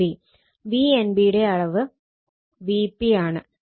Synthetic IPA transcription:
i | ʋienbiɽe̞ɐɭɐʋɨ | ʋipːiaːɳɨ

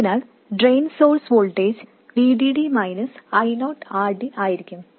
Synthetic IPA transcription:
inaːɭ | ɖɾejnsoːɾsʋoːɭʈeːd͡ʑ | ʋiːɖiːɽimɐjnɐsɐjnoːʈaːrɖiaːjiɾikʲːum

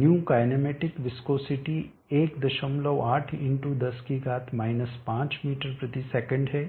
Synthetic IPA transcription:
njuːkaːɪnemeːʈɪkʋɪskoːsɪʈi | eːkd̪ɐʃəmləwʔaːʈʰɪ̃ɳʈud̪ɐskiɡaːt̪ʰmaːɪnəspãːt͡ʃmiːʈəɾpɾɐt̪isɛːkə̃ɳɖɦɛː

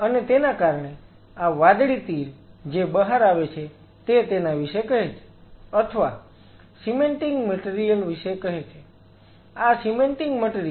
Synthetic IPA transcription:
ənet̪enakaɾɳe | aʋad̪ɽit̪iɾd͡ʒebəɦaɾaʋet͡ʃʰe | t̪et̪enaʋiʃekəɦet͡ʃʰe̥ət̪ʰəʋa̰ | simeɳʈiŋɡməʈeɾijəlʋiʃekəɦet͡ʃʰe | asimeɳʈiŋɡməʈeɾi

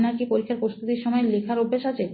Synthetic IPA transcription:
naɾkipoɾikʰːaɾpɾost̪ʰut̪iɾʃɔmɔelekʰaɾobʱːeʃat͡ɕʰe

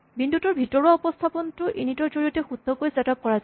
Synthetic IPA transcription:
bindʱutɔɹbʱitɔɹaɔpɔst̪ʰapɔntʊʔenitɔɹzoɹiɔtɛxud̪ʱːɔkojzatap̚kɔɹaz

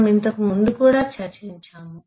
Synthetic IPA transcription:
mint̪ɐkmund̪ukuːɽat͡ʃʰat͡ʃʰent͡ʃʰam

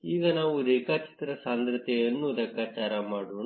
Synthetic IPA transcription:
iːɡɐnaːʋud̪eːkat͡ʃi̥t̪ɾɐsaːnd̪ɾɐt̪ɛjɐnːud̪ɐkːaːt͡ʃaːɾɐmaːɽun

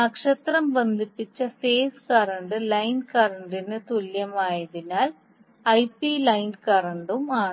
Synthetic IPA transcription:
ɐkʂɐt̪rɐmbɐnd̪ʱipːit͡ɕːɐfeːskɐrɐɳɖɨlɐjnkɐrɐɳɖinɨt̪uljɐmaːjɐðinaːl | ɐjpilɐjnkɐrɐɳɖumaːɳ

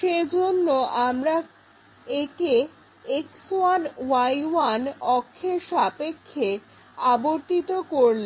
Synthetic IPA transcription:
ʃed͡ʑonːoʔamɾa | eke | eksoanwajwanɔkʰːeɾʃapekʰːe | aboɾt̪it̪okoɾli

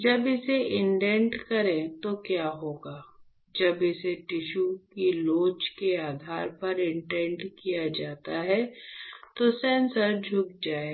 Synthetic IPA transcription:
d͡ʒɐbɪseʔɪ̃ɳʈɛ̃ɳʈkɐɾẽt̪okjaːɦoːɡaː | d͡ʒɐbɪseʈɪʃukiloːt͡ʃkeaːd̪ʱaːɾpɐɾɪ̃ɳʈɛ̃ɳʈkijad͡ʒaːt̪aɦɛ | t̪osɛ̃ːnsəɾd͡ʒʱʊk̚d͡ʒaːe

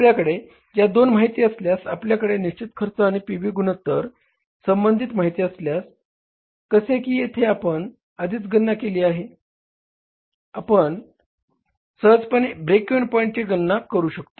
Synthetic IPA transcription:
pljakəɽe | d͡ʑjad̪onmaɦit̪iːəsljasapljakəɽeniɕt͡ɕit̪kʰəɾt͡saaɽ̃ipiʋiːɡunət̪ːəɾ | səmbənd̪ʱit̪maɦit̪iːəsljas | kəsekiːjet̪ʰeapəɳ | əd̪iːt͡sɡənːakeliːaɦe | apəɳ | səɦəd͡zpənebɾekunpɔjɳt͡ɕeɡənːakəɾuːɕəkt̪o̥

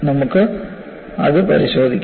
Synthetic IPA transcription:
nɐmukːɨ | ɐ̰ðɨpɐ̰ɾiɕo̞ːd̪ʱikʲː

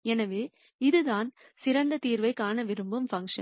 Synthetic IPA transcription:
ɛnɐʋeː | ɪðɯðaːn | sɪɾɐnd̪ɐt̪iːɾʋɐɪkːaːnɐʋɪɾɯmbɯmfɐŋkʂɐ̰

